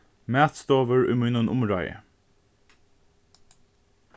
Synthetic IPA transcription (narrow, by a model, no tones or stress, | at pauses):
mæːt̪st̪oːʋəɹʉmʉnʊnʔʊmɹɑɪə̰